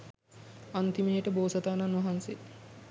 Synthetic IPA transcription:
ant̪imijəʈəboːsɐt̪aːnanuʋɐɦanse

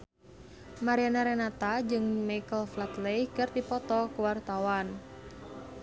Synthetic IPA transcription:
maɾianaɾɛnat̪ad͡ʒɨŋmajkəlflat̪lejkɨrd̪ipɔt̪ɔkuwart̪awan

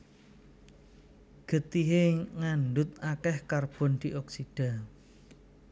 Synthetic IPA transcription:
ɡ̥ə̤t̪iɦeŋanɖʊt̪̚akɛhkarb̥ɔ̤nd̪̥iʔɔksiɖ̥a̤

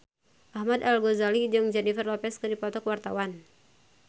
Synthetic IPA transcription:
ʔahmadalɡozalid͡ʒɨŋd͡ʒɛnifrlɔpɛskɨdipɔt̪ɔkwart̪awan

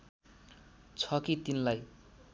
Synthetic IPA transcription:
t͡sʰʌkit̪inlaj

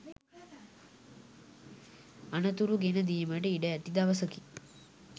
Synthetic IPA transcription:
ɐnɐt̪uɾuɡenɐd̪ijɐmɐɖeiɖɐɐt̪id̪aʋɐsɐki

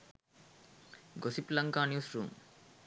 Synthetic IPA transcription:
ɡosiplɐŋkaːnjuːsɾṵːm

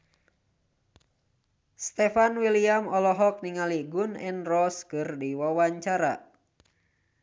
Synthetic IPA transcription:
st̪ɛfanwiliamɔlɔɦɔk̚niŋaliɡunɛnrɔskɨrdiwawaɲt͡ʃaɾa

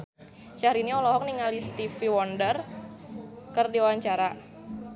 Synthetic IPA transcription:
ʃaɾiniɔlɔɦɔk̚niŋalist̪ifiwɔndər | kərdiwaɲt͡ʃaɾa

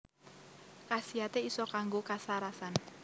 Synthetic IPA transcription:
kasiat̪eisɔkaŋɡokasaɾasan

